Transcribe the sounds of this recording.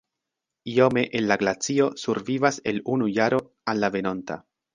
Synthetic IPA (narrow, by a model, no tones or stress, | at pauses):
io̞me̞ʔenlaɡlat͡sio̞suɾvivase̞lunujaɾo̞ | anːave̞no̞nta̰